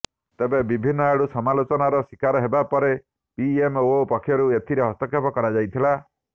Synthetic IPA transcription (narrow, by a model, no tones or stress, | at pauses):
t̪ebebibʱinːɔeɽusɔmalot͡ʃɔnaɾɔsikaɾɔɦebapɔɾe | piemopɔkʰjɔɾuet̪ʰiɾeɦɔst̪ɔkʰepɔkɔɾad͡ʒajt̪ʰila